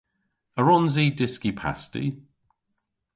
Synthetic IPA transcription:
əɹɔnzidɪskipʰa̰stḭ

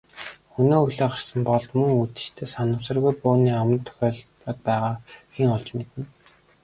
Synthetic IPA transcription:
xunoːuɮoːχar̥sə̆mpɔɮt̪mɵŋut̪ɘ̥̆t͡ɕt̪ʰeːsanʊ̆ːwsə̆rɣujpʊːniːawə̆nt̪ʰːœ̥xʲɔːɮ | ɔːt̪̚pæːʁaːxiːŋɔɮt͡ɕmet̪ɘ̆n

